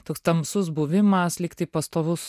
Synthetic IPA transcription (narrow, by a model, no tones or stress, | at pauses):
t̪oːkst̪ɐmsʊsbuʋʲɪmɐslʲɪkt̪ɐɪpɐst̪oːʋʊs